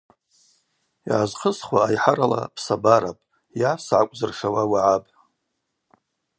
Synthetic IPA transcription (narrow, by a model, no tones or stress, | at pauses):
jʕazqʰəsχwaːjħaɾala̰pʰsabaɾapʼ | jasʕakʷʼzɨrʂawawaʕapʼ